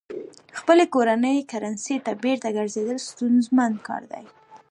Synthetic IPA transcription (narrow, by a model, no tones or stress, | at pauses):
xpəlekoɾanəjkaɾanset̪abeɾt̪aɡaɾzed̪əlst̪unzmand̪kɑ̰ɾd̪a̰j